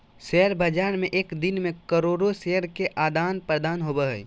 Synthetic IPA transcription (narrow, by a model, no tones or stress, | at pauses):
seəɾbʱəd͡ʒaːɾmẽʔeːkd̪ɪnmẽkəɾoːɾoseɦəɾkeʔaːd̪aːnpɾəd̪aːnɦobəɦɛj